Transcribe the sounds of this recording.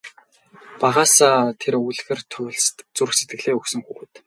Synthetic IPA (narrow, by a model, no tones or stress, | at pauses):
paʁaːsaːt̪ʰeɾuɮxĕrt̪ʰʊɮst̪t͡surxset̪̚ɡɘ̆ɮeːɵksɵ̆ŋxuːɣɘːt̪